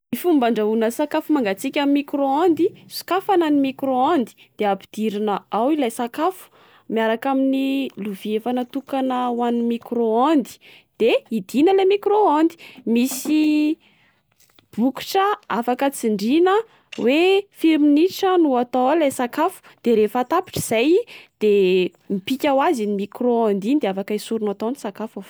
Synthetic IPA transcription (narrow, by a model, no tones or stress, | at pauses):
mifumbaɳɖ͡ʐaunəsakafumaŋɡat͡sikʲamimːikɾoand̪isu̥kafananimikɾoand̪i̥d̪̥eapid̪̥iɾinəawilajsakafu̥ | miaɾakaminiluviefanət̪ukanəwanimikɾoand̪i̥ | d̪̥eid̪̥inəlemikɾoand̪i̥misi | b̥uki̥ʈ͡ʂəafakət͡siɳɖ͡ʐinə | wefiɾiniʈ͡ʂənuat̪owalajsakafu̥d̪̥eɾefat̪api̥ʈ͡ʂiz̥ajd̪̥e | mipikʲawazinimikroãnd̪inid̪eafakaisuɾunat̪onisakafo